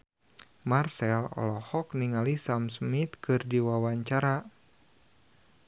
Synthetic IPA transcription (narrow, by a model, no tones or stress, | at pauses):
marsɛlɔ̰lɔhɔk̚niŋalisamsmit̪kɨrdiwawaɲt͡ʃaɾa